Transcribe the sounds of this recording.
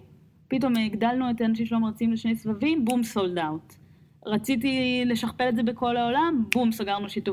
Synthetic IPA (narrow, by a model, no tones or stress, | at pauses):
pit̬o̞miɡdalnue̞tanaʃ̬imʃeemʁat͡siimliʃne̞jsvavimbumsoldaut | ʁat͡sit̬ile̞ʃaχpe̞letze̞be̞ko̞laolambumsaɡaʁnuʃitu